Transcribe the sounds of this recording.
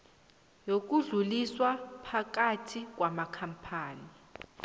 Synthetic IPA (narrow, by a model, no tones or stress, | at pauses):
jok̬uɮuliswapʰak̬atʰik̬ʼwamakʰampʰaːni